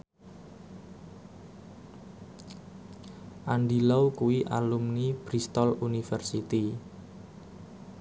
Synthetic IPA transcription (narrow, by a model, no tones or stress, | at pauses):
ʔanɖilawkuwiʔa̰lumnib̥ɾist̪ɔlunifɛrsit̪i